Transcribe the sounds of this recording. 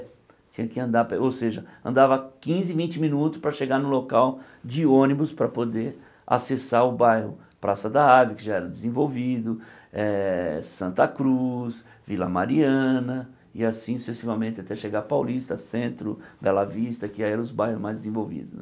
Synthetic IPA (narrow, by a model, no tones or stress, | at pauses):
t͡ʃĩɲɐkɪɐ̃nd̪apowseʒɐɐ̰̃nd̪avɐkĩzɪvĩnt͡ʃɪmĩnut̪ʊspɾɐʃeɡanʊlokaw | d͡ʒɪõnibʊspɾɐpod̪eɾ | a̰sesaɾʊbajhʊ | pɾasɐd̪aad͡ʒɐkɪʒaɛɾɐ̃d̪ɪzẽvowvid̪ʊ | ɛsɐ̃nt̪ɐkɾus | vilɐ̰maɾiɐ̃nɐ | ɪasĩsu̥sesivɐmẽnt̪ɪat̪ɛʃeɡapawlist̪ɐsẽnt̪ɾʊ̰bɛlavist̪ɐkɪaiɛɾɐ̃ʊzbajhʊzmajzd͡ʒ̪ɪzẽvowvḭd̪ʊ